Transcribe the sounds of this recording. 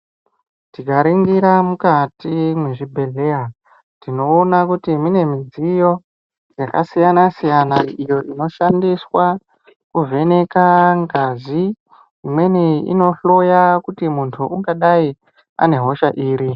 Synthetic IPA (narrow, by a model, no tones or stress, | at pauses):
tiɡʱaɾiŋɡiɾamukatimweʐibʱe̞ɮe̞ja | tino̞ːnakutimine̞mid͡zijo̞ | d͡zakasijanasijanaijo̞ʔino̞ʃandiswa | kuve̞ne̞kaŋɡazi | imwe̞niḭno̞ɬo̞jakutimuntʰuuŋɡaɗai | a̰ne̞ɦo̞ʃaʔiːɾi